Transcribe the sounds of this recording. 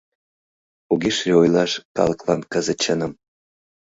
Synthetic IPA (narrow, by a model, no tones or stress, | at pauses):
uɡʲeʃrʲeojlˠɑʃkɑ̰lˠɤ̆klˠɑ̰nkəzə̆t͡ɕənə̆m